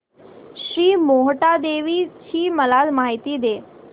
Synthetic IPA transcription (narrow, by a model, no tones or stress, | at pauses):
ɕɾiːmoɦʈad̪eʋit͡ɕiːməlad͡zmaɦit̪iːd̪e